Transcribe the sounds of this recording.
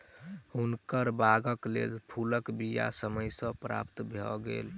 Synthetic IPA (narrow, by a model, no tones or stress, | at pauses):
ɦunkəɾbaɡəklḛlpʰuləkbija̰səməjsə̃pɾa̰pt̪bʱɔɡḛl